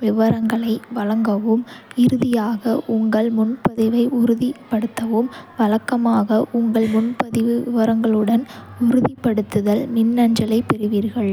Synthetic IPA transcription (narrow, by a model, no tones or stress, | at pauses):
ʋɪʋɐɾɐŋɡɐɭɐɪʋɐlɐŋɡɐʋɯmɪɾɯðɪjaːɣɐʔʊŋɡɐɭmʊnpɐðɪʋɐɪʊɾɯðipːɐɽɯt̪ːɐʋɯmʋɐɭɐkːɐmaːɣɐʔʊŋɡɐɭmʊnpɐðɪʋɯɪʋɐɾɐŋɡɐɭɯɽɐnʊɾɯðipːɐɽɯt̪ːɯðɐlnɪnːɐɲd͡ʒɐlɐɪpɛɾɯʋiːɾɣɐɭ